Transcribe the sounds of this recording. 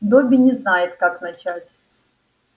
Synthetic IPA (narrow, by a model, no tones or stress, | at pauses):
d̪obʲɪnʲɪznajɪt̪kaknɐt͡ɕatʲ